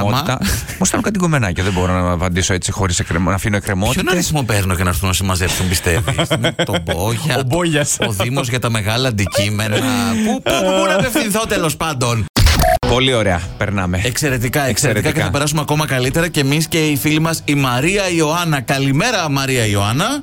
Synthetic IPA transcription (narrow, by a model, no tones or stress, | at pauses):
mɐɐomosit̪ɐnkɐt̪iɣomenɐcɐðebo̞ɾonɐvɐnd̪isoe̞t͡sixo̞ɾisekɾenɐfinoekɾemot̪oinɐisimopeɾno̞cenɐɾθunɐsimɐzefsumbist̪evismt̪oboʝɐoboʝɐsoðimozʝɐt̪ɐme̞ɣɐlɐːnd̪icime̞nɐpupobunɐpefθinθot̪elo̞spɐnd̪o̞npo̞lio̞ɾeɐpeɾnɐ̰meekse̞ɾe̞t̪ikɐekseɾɾikɐceɐθɐpe̞ɾɐs̬ume̞ɐko̞mɐkɐlit̪e̞ɾɐce̞ːmisce̞ifilimɐsimɐɾiɐio̞ɐnɐkɐlime̞ɾɐmɐɾiɐio̞ɐnɐ